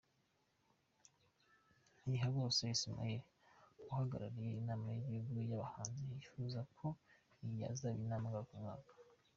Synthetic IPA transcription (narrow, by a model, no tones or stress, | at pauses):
iɦaβo̞ːsejisima̰je | ɡuhaɡa̰ɾaɾijeinaːmajiβiɡujaβahaːnziifuːzakʰo̞ | ija̰zaβinaːmaɡakumŋaːkḁ